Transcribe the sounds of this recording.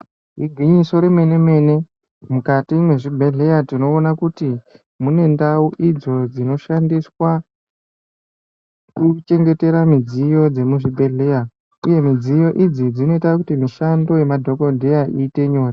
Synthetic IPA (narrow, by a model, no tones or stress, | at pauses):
ɦiɡʱiɲiso̞ɾeme̞ne̞me̞ne̞ | mukatimwe̞ʐibʱe̞ɮe̞jatino̞ːnakuti | mune̞ndauʔid͡zo̞d͡zino̞ʃandiswa | kut͡ʃe̞ŋɡe̞te̞ɾamid͡zijo̞d͡ze̞muʐibʱe̞ɮe̞ja | uje̞mid͡zijo̞ʔid͡zid͡zino̞itakutimiʃando̞je̞madʱo̞ko̞dʱe̞jaʔiːte̞ɲo̞ːra